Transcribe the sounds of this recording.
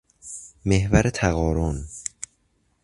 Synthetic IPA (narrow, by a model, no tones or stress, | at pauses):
me̞hvæɾet̪ʰæɣɒːɾon